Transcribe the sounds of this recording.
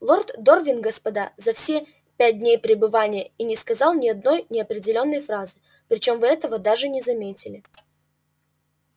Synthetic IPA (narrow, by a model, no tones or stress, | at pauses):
lˠo̞rt̪d̪orvʲɪnɡəspɐd̪azɐfsʲe | pʲæt̚ʲdʲnʲejpɾʲɪbɨvanʲɪjəinʲɪskɐzɑlˠnʲɪɐd̪no̞jnʲɪɐpɾʲɪdʲɪlʲo̞nːəjfɾazɨ | pɾʲɪt͡ɕo̞mvɨɛt̪əvəd̪aʐɨnʲɪzɐmʲetʲɪlʲɪ